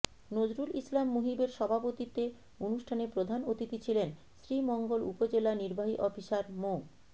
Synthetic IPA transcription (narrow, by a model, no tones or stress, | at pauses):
nod͡ʑɾulislamːuɦibeɾʃɔbʱapot̪it̪e | onuʃʈʰanepɾod̪ʱanot̪it̪it͡ɕʰilen | sɾimɔŋɡolupod͡ʑelaniɾbʱaɦiʔɔfiʃaɾmo